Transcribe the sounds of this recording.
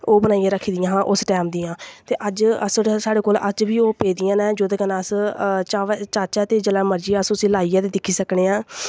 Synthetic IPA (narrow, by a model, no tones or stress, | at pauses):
oːbənaːijãːɾəkʰiːd̪ɪjãːɦãːʔʊsʈɛːmd̪iːãːt̪eːʔəd͡ʒəssaːɽeːkoːləd͡ʒʋiːoːpeːd̪ɪjãːnɛːd͡ʒoːd̪eːkənãːəst͡ʃaːʋɛt͡ʃaːt͡ʃɛːt̪eːd͡ʒəlãːməɾd͡ʒiːəsʊsĩːlaːiːaːd̪eːd̪ɪkʰːiːsəkɽeːãː